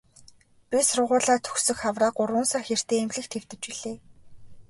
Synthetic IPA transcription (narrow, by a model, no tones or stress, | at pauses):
pʲisrʊ̆ʁʊːɮaːt̪ʰɵxsɵ̆xχawraːɢʊrwʊ̆nsarxer̥t̪eːmɮɘ̆kt̪ʰew̥t̪ɘ̆t͡ɕiɮ̥eː